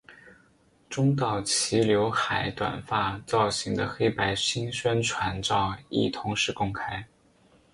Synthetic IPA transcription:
ʈ͡ʂʊ˥ŋt̪ɑ˥˨˩ʊt͡ɕʰi˧˥ljo˧˥ʊxa˨˩ɪt̪wa̰˨˩nfa˥˩t͡sɑ˥˩ʊɕi˧˥ŋd̪ə˧xe˥ɪpa˧˥ɪɕi˥nɕwa˥nʈ͡ʂʰwa˧˥nʈ͡ʂɑ˥˧ʊḭ˥˩t̪ʰʊ˧˥ŋʂɻ̩˥˩kʊ˥ŋkʰa˥ɪ

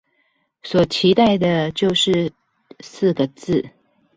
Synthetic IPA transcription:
swɔ˨˩t͡ɕʰi˧˥t̪a˥˩ɪd̪ə˩t͡ɕjo˥˧ʊʂɻ̩˥˧ | sɹ̩˥˩ɡə˩t͡sɹ̩˥˩

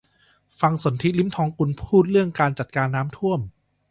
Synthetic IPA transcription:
fa˧ŋso˩˦nt̪ʰi˦˥li˦˥mt̪ʰɔː˧ŋku˧npʰuː˥˩t̪̚ɾɯ˥˩əŋkaː˧nt͡ɕa˨˩t̪̚kaː˧nːaː˦˥mt̪ʰu˥˩əm

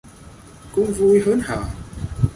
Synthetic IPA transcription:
kʊ̰˧˥ŋ͡mvu˧jɦəː˦˥nha̰ː˨˩

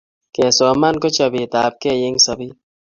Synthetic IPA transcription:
kɛ˨sɔː˨ma˦nko˦t͡ʃa˨bi˨t̪aː˨p̚kɛ˦˨jɪ˦ŋsɐ˨bi˦

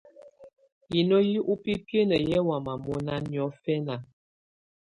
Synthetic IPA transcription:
ji˨no˦ji˦ʔu˦pi˦pje˦nə˨jɛ˦wa˨ma˨mɔ˦na˦njɔ˨˦fɛ˦na˨

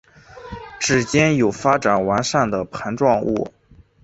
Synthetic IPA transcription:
ʈ͡ʂɻ̩˨˩t͡ɕjɛ˥njo˨˩ʊfa˥ʈ͡ʂa˨˩nwa˧˥nʂa˥˩nd̪ə˩pʰa˧˥nʈ͡ʂwɑ˥˧ŋṵ˥˩

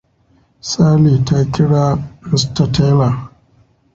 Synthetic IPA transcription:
saː˦liː˨ta˦kʲɪ˦ɽaː˦mɪ˨sta˨teː˦la˨

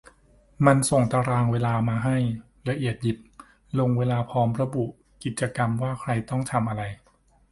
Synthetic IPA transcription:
ma˧nso˨˩ŋt̪a˧ɾaː˧ŋweː˧laː˧maː˧ɦa˥˩j | ɾa˧ʔi˨˩ət̪̚ji˨˩p̚ | lo˧ŋweː˧laː˧pʰɔː˦˥mɾa˧bu˨˩ʔ | ki˨˩t̪̚t͡ɕa˧ka˧mwaː˥˩kʰɾa˧jt̪ɔ˥˩ŋt̪ʰa˧mʔa˧ɾa˧j

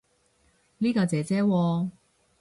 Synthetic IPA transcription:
nliː˥kɔː˧t͡sɛː˨˧t͡sɛː˥wɔː˧

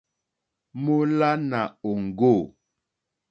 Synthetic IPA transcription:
mo˦la˦na˨o˨ŋ̩˨ɡo˦˨

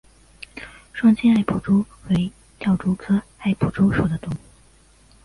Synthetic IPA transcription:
ʂwɑ˥ŋt͡ɕʰɛ˥a˥˩ɪpʰu˨˩ʈ͡ʂu˥ | we˧˥ɪ | t̪jɑ˥˩ʊʈ͡ʂu˥kʰɤ˥a˥˩ɪpʰu˨˩ʈ͡ʂu˥ʂu˨˩d̪ə˦t̪ʊ˧˥˩ŋ˥˩

